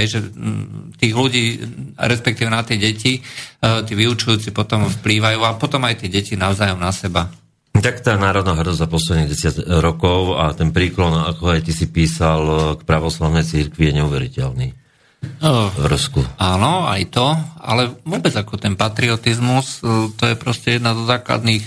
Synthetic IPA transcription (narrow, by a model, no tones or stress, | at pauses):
ʋɛʒɛ | t̪iːɣluɟiːɾɛspɛk̚t̪iːʋɛnat̪ɪɛɟɛcit̪iːʋiut͡ʃujuːt͡sipɔt̪ɔmfpliːʋajuːapɔt̪ɔmajt̪ɪɛɟɛcinaʊzaːjɔmnasɛba | t̪akt̪aːnaːɾɔd̪naːɦr̩d̪ɔzzapɔslɛd̪niːɟɛsɪaɟɾɔkɔʊat̪ɛnpɾiːklɔna̰kɔajt̪isipiːsalkpɾaʋɔslaʊnɛjt͡siɾkʋijɛɲɛuʋɛɾicɛlniː | vɾskuaːnɔa̰jt̪ɔa̰lɛʋʊɔːbɛd͡zakɔt̪ɛnpat̪ɾiɔt̪izmust̪ɔjɛpɾɔscɛjɛd̪nazɔzaːkla̰d̪nix